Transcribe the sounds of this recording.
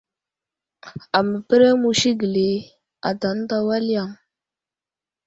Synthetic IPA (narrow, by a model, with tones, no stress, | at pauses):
a˨mə˨pə˦ɾe˦mu˨ʃi˦ɡə˨le˨ | a˨da˨n˦da˨wa˦li˦ja˨ŋ